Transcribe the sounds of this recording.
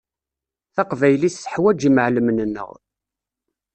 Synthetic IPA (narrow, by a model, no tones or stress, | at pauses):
θɑqvæjlisːəħwæd͡ʒiməʕləmnənːə̰ʁ